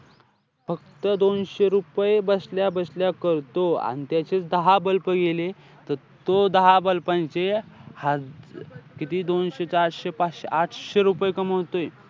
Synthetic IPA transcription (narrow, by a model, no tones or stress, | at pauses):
fək̚t̪əd̪onɕeɾupjebəsljabəsljakəɾt̪oa̰nit̪jat͡ɕet͡sd̪əɦabəlpəɡele | t̪əɾ | t̪od̪əɦabəlpãnt͡seha | kit̪iːd̪onɕet͡saɾɕepat͡sɕeaʈʰɕeɾupəjkəməwt̪oj